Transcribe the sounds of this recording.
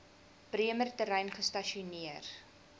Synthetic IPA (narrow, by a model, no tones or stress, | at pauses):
priəmərtəɾɛjnχəstɐʃiuniər